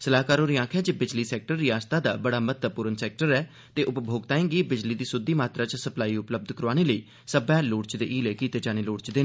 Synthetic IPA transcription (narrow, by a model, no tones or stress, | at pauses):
səlaːkaːɾoːɾiːãːkʰjaːd͡ʒeːbɪd͡ʒliːsɛːk̚ʈəɾːiːaːst̪aːd̪a̰ːbəɽaːmət̪əpʊɾənsɛːk̚ʈəɾɛː | t̪eːʔʊpbʱoːɡt̪aːẽːɡiːbɪd͡ʒliːd̪iːsʊd̪iːmaːt̪ɾaːt͡ʃsəplaːiːʊpləb̚d̪kəɾaːneːləiː | səbɛ̃ːloːɽt͡ʃd̪eːʔiːleːkiːt̪eːd͡ʒaːñeːloːɽt͡ʃd̪eːnː